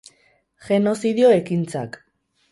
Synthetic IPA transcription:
ʝe̞no̞siðio̞ekint͡sa̰k

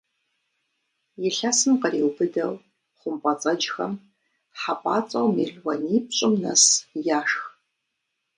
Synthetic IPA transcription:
jɪɬasɨmqəriːwbɨdɐw | χʷʊmpʼɐt͡sʼɐd͡ʒxɐ̰m | ħapʼaːt͡sʼɐwmḭːɮwɐniːp̚ɕʼɪmnɐ̰sjaːʂx

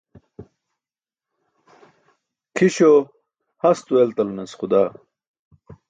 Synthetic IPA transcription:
kʰiɕo | hɐst̪uelt̪ɐlnɐsχud̪aː

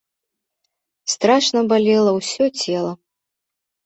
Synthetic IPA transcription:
st̪ɾaʂnɐbalʲɛlˠɐwsʲɔt͡sʲɛlˠɐ

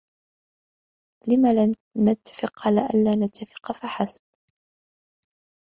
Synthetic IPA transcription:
lɪmala | nat̪ʰːḁfɪqʕalaːʔanlaːnat̪ːafɪ̥qfaħasb̚

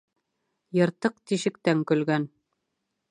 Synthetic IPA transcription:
jɤ̆ɾt̪ɤq̚t̪iʃɘ̆k̚t̪æŋkɵ̆lɡæn

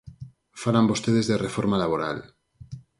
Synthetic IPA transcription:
falambo̞st̪eðezðerefoɾmalaβ̞oɾa̰l

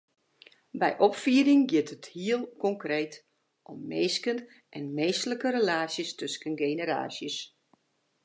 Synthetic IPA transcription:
bɛ̰jʔɔpfiːəɾɪŋɡɪtəthiəlˠkɔŋkreːt | ʔɔmːeːskən | ʔɛnmeːsləkəɾəlaːsjəstøskənɡeːnəɾa̰ːsjəs

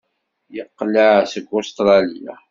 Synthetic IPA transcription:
jəqːləʕsəɡːost̪ɾˤɑlija̰

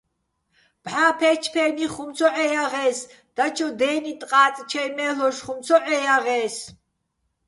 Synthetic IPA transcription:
b̥ħaːpʰɛt͡ʃʰpʰɛniχumt͡sʰɔʔɛjaʁɛːs | d̪̥at͡ʃʰɔd̪ɛːnit̪ʼqʼaːt͡s̪ʼt͡ʃʰɛjmɛlɔʃχumt͡sʰɔʔɛjaʁɛːs

